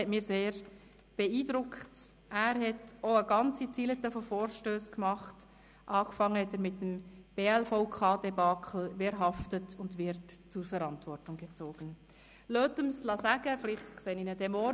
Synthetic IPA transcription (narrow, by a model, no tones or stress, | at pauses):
ɛtmiːseːɾ | b̥ɛiːdɾʊkt | ʔæːɾhɛtoəɡɑnt͡sit͡silət̪əfɔfoːɾʃtøːskmɑχt | ʔɑːkfɑŋːəhɛtæːɾmɪtːəmb̥eːɛlfɔʊkʰɑːdebɑːkʰl̩ʋɪɾɦɑftətʊndʋɪɾtt͡sʊɾfɛɾɑntvɔrtʊŋɡɛt͡soːɡ̥ən | løːtəmslɑsæɡ̥əfɪlɪχtkseːninədɛmɔ